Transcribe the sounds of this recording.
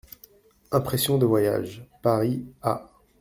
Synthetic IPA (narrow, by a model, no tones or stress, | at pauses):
ɛ̃pχɛsjɔ̃d̪əvwaja̰ʒpaʁia